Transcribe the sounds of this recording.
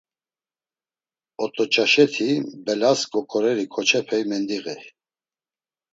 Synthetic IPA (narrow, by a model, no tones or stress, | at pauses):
ɔt̪ʼɔt͡ʃʼaʃɛt̪ʰibɛlaskʼɔkʰʼɔɾɛɾikʰɔt͡ʃʰɛpʰɛjmɛnd̪iɣɛ